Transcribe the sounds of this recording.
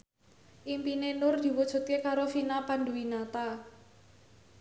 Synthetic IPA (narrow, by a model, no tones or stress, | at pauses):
ʔimpinenʊrd̪̥i̤wɔd̥ʒ̥ṳt̪̚kekaɾofinapanduwinat̪a